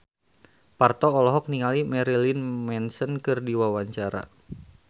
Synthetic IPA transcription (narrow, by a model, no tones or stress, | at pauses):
part̪ɔːlɔɦɔk̚niŋalimɛɾilinmɛnsənkɨrdiwawaɲt͡ʃaɾa̰